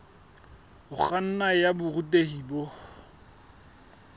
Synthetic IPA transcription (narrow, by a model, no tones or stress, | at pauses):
ʊχan̩najabʊrutʼehibo